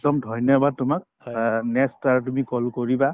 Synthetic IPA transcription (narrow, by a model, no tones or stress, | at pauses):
dɔmdʱɔjnɔbad̪̚tʊmak̚ | nɛstaɹɛtumikɔlkɔɹiba